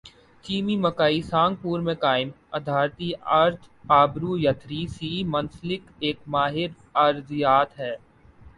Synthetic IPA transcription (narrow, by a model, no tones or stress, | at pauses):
t͡ʃiːmimɐkaːisãːŋɡ̚puːɾmẽkaːɪm | ɐ̰d̪ʱaːɾt̪iaɾt̪ʰaːbɾujɐt̪ʰɾisiːmɐ̃nslɪkeːkmaːɦɪɾ | ɐɾzjaːt̪ɦɛː